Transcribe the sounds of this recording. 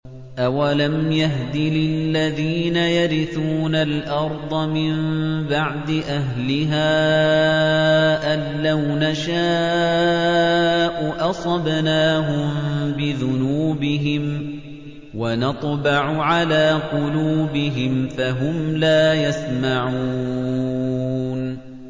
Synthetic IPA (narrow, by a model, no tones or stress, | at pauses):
ʔawalamjaɦd̪ɪlɪlːaðiːnajaɾɪθuːnalʔɑɾˤd̪ˤɑmɪmbaʕd̪ɪʔaɦlɪɦaː | ʔalːawnaʃaː | ʔʊʔɑsˤɑbnaːɦʊmbɪðʊnuːbɪɦɪm | wanɑt̪ˤbɑʕʊʕalaːqʊluːbɪɦɪmfaɦʊmlaːjasmaʕuː | n